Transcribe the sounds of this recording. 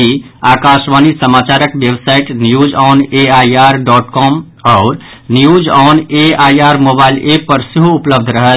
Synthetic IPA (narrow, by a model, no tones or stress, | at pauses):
i | aːkaːʃʋaːnisəmaːt͡ʃaːɾəkʋjəwsaːɪʈnjuːd͡ʒɔːneaːiaːɾɖɔːʈkɔːm | ɔːɾ | njuːd͡ʒɔːneaːjaːɾmoːbaːɪlepəɾsɪɦuʊpləb̚d̪ʱɾɐɦət̪